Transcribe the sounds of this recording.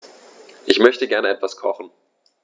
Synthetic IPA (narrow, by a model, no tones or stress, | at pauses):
ʔɪçmœçtəɡɛɐnəɛtv̥askʰɔχn̩